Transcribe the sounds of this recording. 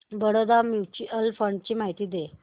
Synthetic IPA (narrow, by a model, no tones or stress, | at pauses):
bəɽod̪amjut͡ɕiəlfəɳɖt͡ɕiːmaɦit̪iːd̪e